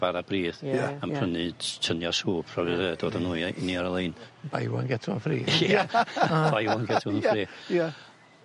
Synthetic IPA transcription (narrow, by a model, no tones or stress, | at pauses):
vaɾabriːðaamʰr̥ənɨtʰənjɔsuːpʰrɔvɛəːd̥oːdanuːniaɾəlˠeːnba̰jwɔ̰nɡɛtʰʊnfrḭːḁ | ajɔnɡɛtʰʊnənfriːja